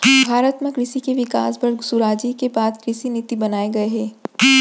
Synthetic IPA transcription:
bʱaːɾət̪mẽkɾɪʃikeʋɪkaːsbɐɾsuɾaːd͡ʒikebaːd̪kɾɪsinɪt̪ibɐnaːeɡɐeɦɛː

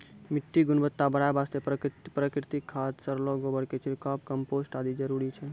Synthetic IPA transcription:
mɪʈːiɡʊnbət̪ːabəɽajbaːst̪epɾəpɾəkɾɪt̪ikʰːat̪səɾloɡobəɽket͡ʃʰiɾkaːpkəmpoːsʈaːd̪id͡ʒəɾuɾit͡ʃʰɛ

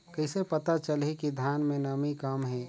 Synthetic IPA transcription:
kɐɦɪsepɐt̪at͡ʃəlɦekid̪ʱjaːnmẽnɐmikamɦɛː

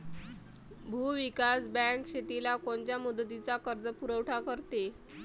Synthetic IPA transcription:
bʱuʋikasbɛ̃ŋkɕet̪ilakoɳt͡ɕjamud̪ət̪it͡sakəɾd͡zəpuɾəʋʈʰakəɾt̪e

